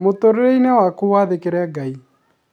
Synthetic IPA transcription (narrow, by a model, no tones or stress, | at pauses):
motoɾeɾeinewakuwaðekeɾɛɡai